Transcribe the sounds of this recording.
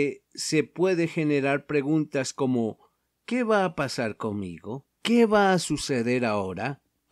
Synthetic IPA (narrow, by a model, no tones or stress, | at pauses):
esepwe̞ðexe̞neɾaɾpɾe̞ɣunt̪asko̞mo̞ | ke̞βaːpasaɾko̞ŋmḭɣo̞ | keβaːsuseðe̞ɾao̞ɾa